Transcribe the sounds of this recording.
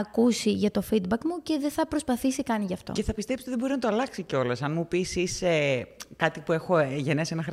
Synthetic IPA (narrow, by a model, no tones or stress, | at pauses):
ɐkusiʝɐt̪o̞fid̪̚bɐkmuce̞ðeθɐpɾo̞spɐθisikɐniʝɐft̪o̰ce̞θɐpist̪epsiot̪ðebo̞ɾinɐt̪oɐlɐksiceo̞lɐsɐnmupisisekɐt̪ipue̞xo̞ʝe̞nesenɐxɾ